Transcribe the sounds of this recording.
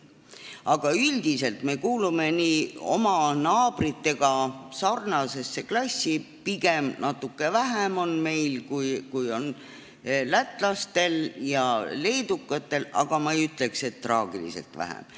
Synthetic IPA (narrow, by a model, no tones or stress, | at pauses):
ɑɡ̥ɑyld̪̥ise̞lt̪me̞kuːlume̞niːo̞̰mɑnɑːb̥rit̪ːe̞ɡ̥ɑsɑrnɑse̞sːe̞klɑsʲːi | piɡ̥e̞mnʔɑt̪ːˑukːe̞væɦæmo̞nme̞jlkujkujo̞n | læt̪ːˑlɑst̪e̞ljɑle̞jd̪̥ukːˑɑt̪ːˑe̞lɑ̰ɡ̥ɑmɑejyt̪ːˑle̞kse̞t̪ːrɑːɡ̥ilḭse̞̰lt̪væ̰hæ̰m